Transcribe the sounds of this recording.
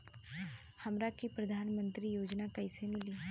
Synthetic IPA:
hɐmɾakipɾɐd̪ʱaːnmə̃nt̪ɾijoːd͡ʒnakɐɪsemɪliː

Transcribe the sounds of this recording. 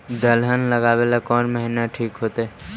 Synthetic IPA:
d̪əlɦənləɡaːwelakɔːnməɦɪnaʈʰiːkɦoːt̪eɛ

